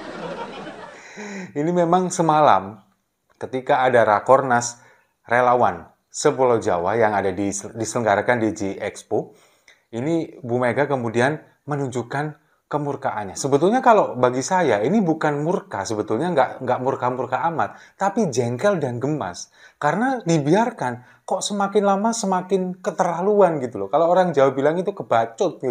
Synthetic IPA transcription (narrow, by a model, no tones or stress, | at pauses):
inimemaŋsəmala̰m | kət̪ikaːdaɾakɔrnas | relawan | səpulawd͡ʒa̰wajaŋadadidisələŋɡaɾakandid͡ʒiɛkspo | inibumeɡakəmudian | mənuɲd͡ʒukan | kəmurkaʔanɲasəbət̪ulɲakalobaɡisajainibukanmurkasəbət̪ulɲaŋɡaʔŋɡaʔmurkamurkaːmat̪̚ːapid͡ʒɛŋkɛldanɡəma̰s | kaɾənadibiarkan | kɔʔsəmakɪnlamasəmakɪnkət̪əɾaluanɡit̪ulɔkaloːɾaŋd͡ʒawabilaŋit̪ukəbat͡ʃʊt̪̚ɡi